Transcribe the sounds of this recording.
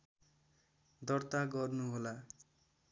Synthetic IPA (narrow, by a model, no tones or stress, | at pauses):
d̪ʌrt̪aɡʌrnuɦola